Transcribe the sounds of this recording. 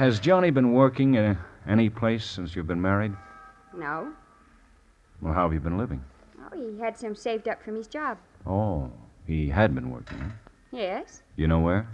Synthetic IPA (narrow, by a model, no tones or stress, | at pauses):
hɨzd͡ʒɑñibɨ̃nwɜ˞kɪ̃ŋɨ̃nɛɾ̃ipʰl̥eɪsɪ̃nsjɨvbɨ̃nmɛɹid̥̚ | noʊ | wɛlˠɦaʊəvjɨbɨ̃nlɪvɪ̃ŋ | ʔo̰ʊiɨdsʌ̃mseɪvdʌpfɹʌ̃mɨzd͡ʒɑb̥̚ʔoʊhiɨd̚bɨ̃nwɜ̰˞kɪ̰̃ŋɨ̃n | jɛsjɨñoʊwə˞